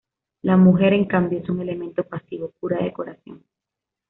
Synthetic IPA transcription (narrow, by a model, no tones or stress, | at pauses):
lamuxe̞ɾe̞ŋkambjoesuŋe̞le̞mẽ̞nt̪opasiβopuɾaðeko̞ɾaθjo̞̰ŋ